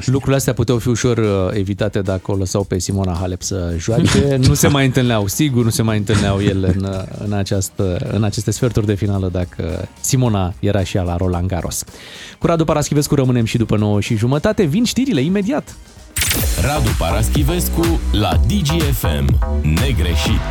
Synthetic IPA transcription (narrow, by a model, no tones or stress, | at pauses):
lukɾuleast̪eaput̪eawfiuʃo̞re̞vit̪at̪e̞d̪akəo̞ləsawpe̞simo̞naɦale̞psəʒuat͡ʃe̞nuse̞majɨnt̪ɨlneawsiɡurnuse̞majɨnt̪ɨlneawje̞leɨnɨ̰nat͡ʃast̪əɨ̰nat͡ʃe̞st̪e̞sfe̞rt̪urʲd̪e̞finaləd̪akʰə̰simo̞naje̞ɾʔaʃialaɾo̞laŋɡaɾʔo̞̰s | kuɾad̪upaɾaskʲive̞skuɾəmɨne̞mʃid̪upəno̞wəʃiʒumət̪at̪e̞vinʃt̪iɾile̞ime̞d̪iat̪ | ɾad̪upaɾaskʲive̞skula̰d̪id͡ʒiefḛmne̞ɡɾeʃit̪